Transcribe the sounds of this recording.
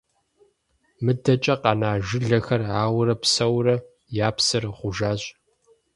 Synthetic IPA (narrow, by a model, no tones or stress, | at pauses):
mɨdɐt͡ʃʼɐqɑnaːʒɪɮɐxɐraːwrɐpsɐwrɐ | jaːpsɨrʁʷʊʒaːɕʼ